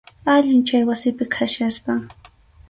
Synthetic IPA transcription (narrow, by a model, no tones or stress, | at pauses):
aʎɪnt͡ʃajwasɪpɪkʰaʃjaspa